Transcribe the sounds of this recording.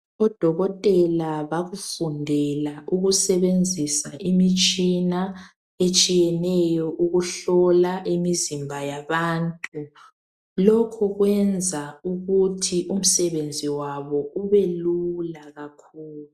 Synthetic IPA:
ɔd̥ʱɔɣɔtʼɛlaβaɣufundʱɛlaʔuɣusɛβend͡zʱisaʔimit͡ʃʼina | et͡ʃʼijɛnɛjɔʔuɣuɬɔlaʔimizimbʱajaβaːntʼu | lɔkʰɔɣwɛnd͡zʱauɣutʰiʔum̩sɛβend͡zʱiwaβɔuβɛlulaɣakʰuːlu

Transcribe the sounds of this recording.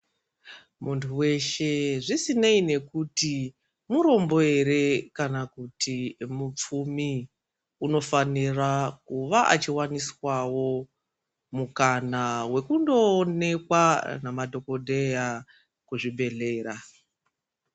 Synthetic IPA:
muntʰuwe̞ʃe̞ʐisineine̞kuti | muɾo̞mbo̞e̞ɾe̞kanakutʰimup͡fumi | uno̞fanirakuʋaʔa̰t͡ʃiwaniswawo̞ | mukanawe̞kundo̞ːne̞kwanamadʱo̞ko̞dʱe̞ja | kuʐiɓʱe̞ɮe̞ːɾa

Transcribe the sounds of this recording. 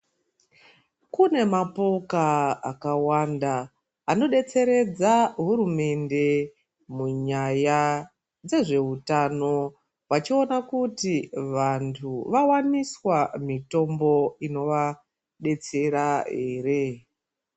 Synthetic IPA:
kune̞mapo̞kaakawandaː | no̞ɗe̞t͡se̞ɾe̞d͡zaɦuɾume̞nde̞ | muɲaja | d͡ze̞ʐe̞ɦutano̞ | wat͡ʃio̞nakutiʋantʰuʋawaniswamito̞mbo̞ino̞ʋa | ɗe̞t͡se̞ɾaɦe̞ːre̞

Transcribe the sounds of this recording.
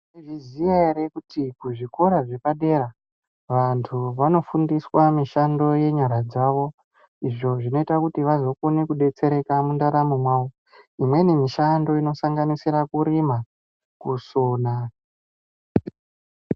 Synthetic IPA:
neʐizijaeɾekutikuʐiko̞ɾaʐe̞paɗe̞ɾa | ʋantʰuʋano̞fundiswamiʃando̞je̞ɲaɾad͡zaʋo̞ | iʐo̞ʐino̞itakutiʋazo̞konekuɗe̞t͡se̞ɾe̞kamundaɾamumwau | imwe̞nemiʃando̞ino̞saŋɡanisiɾakuɾima | kusoːna

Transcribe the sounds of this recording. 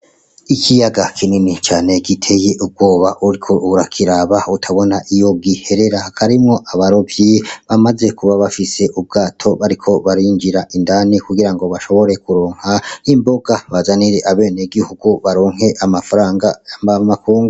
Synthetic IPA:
ikʰijaɡakʰininit͡ʃaːne̞ɡitʰe̞jeʔub̚ɡo̞ːβaʔuɾikʰoʔuɾakʰiɾaːβautʰaβo̞naʔijo̞ɡihe̞ɾe̞ɾakʰaɾimŋo̞ʔaβaɾo̞vjiβamaze̞kuβaβafise̞ʔub̚ɡaːtʰo̞βaɾikʰo̞βaɾiŋd͡ʒiɾaʔindanikuɡiɾaŋɡo̞βaʃo̞βo̞ɾe̞kuɾoːŋhaimbo̞ɡaβazaniɾeʔaβe̞ːneɡihuɡuβaɾo̞ːŋ̥e̞ʔamafaɾaːŋɡamakuːŋɡu

